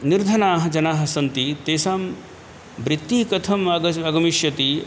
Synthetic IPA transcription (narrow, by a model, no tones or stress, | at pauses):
niɾd̪ʱɐnaːɦɐ̆d͡ʒɐnaːɦɐ̆sɐnt̪it̪eːsaːm | bɾit̪ːikɐt̪ʰɐmɐɡɐɐɡɐmiʃjɐt̪i